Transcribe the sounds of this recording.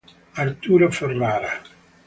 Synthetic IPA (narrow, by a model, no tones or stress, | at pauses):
aɾt̪uːɾoferːaːɾa